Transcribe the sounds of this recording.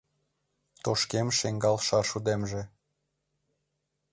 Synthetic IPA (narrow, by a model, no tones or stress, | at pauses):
t̪oʃkemʃeŋɡɑlʃɑʃud̪emʒĕ